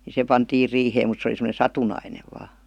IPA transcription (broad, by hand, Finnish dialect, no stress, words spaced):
ni se pɑntiːr riːheːm mut se oli semə̆ne sɑtunɑineʋ ʋɑː